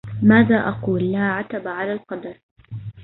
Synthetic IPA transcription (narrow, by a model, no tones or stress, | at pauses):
maːðaːʔɑquːlːaːʕat̪abaʕalaːlqɑd̪ɑɾˤ